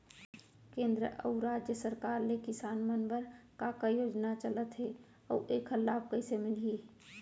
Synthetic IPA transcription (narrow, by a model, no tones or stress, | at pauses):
kẽːnd̪ɾə̰ʔə̰uɾaːd͡ʒjəsəɾkaːɾnekɪsaːnmənbəɾkakajoːd͡ʒnat͡ʃələt̪ɦɛ | ɔ̰ʔeːkɦəlːaːb̚kəɪsemɪlie